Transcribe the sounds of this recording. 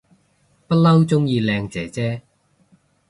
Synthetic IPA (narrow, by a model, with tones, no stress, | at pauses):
pɐ˥t̚lɐ˥wt͡sʊ˥ŋjiː˧lɛː˧ŋt͡sɛː˨˥t͡sɛː˥